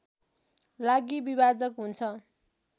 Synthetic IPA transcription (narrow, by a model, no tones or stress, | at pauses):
laɡibibad͡zʌkɦunt͡sʰʌ